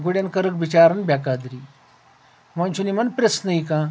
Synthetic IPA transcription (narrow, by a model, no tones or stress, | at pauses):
ɡuɽjankəɾəkbit͡ɕaɾənbʱʲjakad̪ɾiː | mãnt͡ɕunimənpɾesnəikã